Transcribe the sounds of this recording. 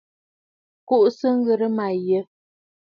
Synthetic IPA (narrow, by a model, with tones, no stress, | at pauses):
ku˦ʔsə˦ŋ̩˦ɣə˨ɾə˦ma˨jə˦